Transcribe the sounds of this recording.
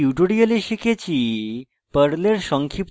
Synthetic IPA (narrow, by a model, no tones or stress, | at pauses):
uʈuɽiəleɕiket͡ɕiː | pəɽleɾɕɔŋkʰip